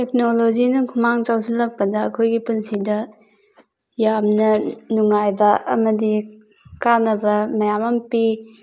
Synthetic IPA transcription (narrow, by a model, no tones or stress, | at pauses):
tek̚nolod͡ʒinɐkʰumaŋt͡ʃawsilːɐk̚pɐdɐːkʰojɡipunsidɐ | jamnɐnuŋːajbɐɐmɐdi | kanɐbɐmɐjamɐmpi